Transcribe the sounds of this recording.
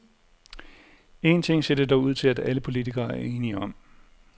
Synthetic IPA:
e̝nt͡sʰe̝ŋ̰se̝d̥əd̥ɒʊuð̞̰ˠt͡sʰe̝læd̥æləpʰo̝lit͡sʰiɡ̥ɐːæɐe̝ːniɒ̽m̰

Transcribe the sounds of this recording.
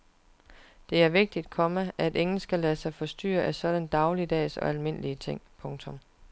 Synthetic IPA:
d̥e̝æɐʋe̝ɡ̥̚d̥id̥̚kʰɒ̽məæde̝ŋn̩sɡ̥ælɛðsɑ̈ɪfɒ̽sd̥y̰ːɐʔæsɒ̽d̥ænd̥ɑ̈ʊliəd̥ɛ̰ːsɒ̽ælme̝n̰əliət͡sʰe̝ŋ̰pʰɔ̽ŋt͡sʰɔ̽m

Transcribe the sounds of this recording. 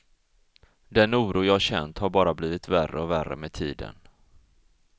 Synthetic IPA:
d̪ɛnuːɾuːjɑːhaɕɛ̰nt̪haɾbɑːɾabliːvɪt̪værəɔværə̰meːt̪ʰiːd̪ə̰n

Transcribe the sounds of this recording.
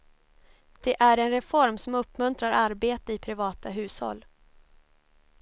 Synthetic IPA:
d̪̥ɛʔæɾɛnɾɛfɔɾmsɔmɵpːmɵnt̪ɾaɾaɾbeːt̪əɪpʰɾɪvɑːt̪aɦʉ̟ːshɔ̰lː

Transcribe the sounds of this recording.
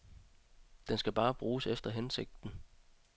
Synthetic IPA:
d̥ensɡ̥æb̥ɑ̈ːb̥ʁuːsefd̥ɐɦense̝ɡ̥̚d̥n̩

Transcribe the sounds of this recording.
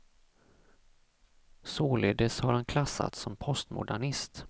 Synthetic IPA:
soːleːd̪əshaɾhankʰlasːa̰t̪sɔmpʰɔst̪mʊ̰ɖæɳɪst̪

